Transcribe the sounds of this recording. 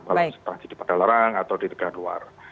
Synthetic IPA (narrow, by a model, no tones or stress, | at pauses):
balasə̥t̪ɾat͡ʃid̥ipadalaɾaŋat̪awdit̪əɡanlua̰r